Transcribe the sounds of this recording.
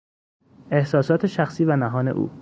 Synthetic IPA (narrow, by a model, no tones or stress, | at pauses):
e̞hsɒːsɒːt̪ʰeʃæxsiːvænæɦɒːne̞̰ʔṵː